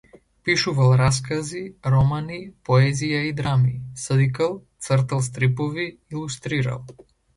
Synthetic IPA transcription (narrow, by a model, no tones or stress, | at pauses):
piʃuvalˠɾaskaziɾɔmanipɔɛzijaid̪ɾamisəd̪ikalˠt̪səɾt̪alˠs̬t̪ɾipɔviilˠust̪ɾiɾa̰lˠ